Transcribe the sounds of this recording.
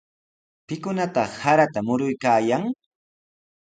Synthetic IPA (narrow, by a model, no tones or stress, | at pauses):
pɪkʊnat̪ɑχhaɾat̪amʊɾʊjkaːjaŋ